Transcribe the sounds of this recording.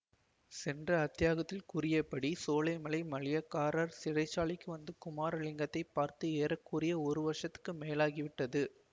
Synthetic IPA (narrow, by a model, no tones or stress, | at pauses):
sɛndrɐːt̪ːɪjaːɣɐt̪ːɪlkʊrɪjɐpːɐɽisoːlɐɪmɐlɐɪmɐɭɪjɐkaːɾaːɾsɪrɐɪt͡ʃːaːɭɪkːɯʋɐnd̪ɯkʊmaːɾɐɭɪŋɡɐt̪ːɐɪpːaːɾt̪ɯeːɾɐkːuɾɪjɐɔɾɯʋɐʂɐt̪ːɯ̥kːɯmeːlaːɣiʋɪʈːɐðɯ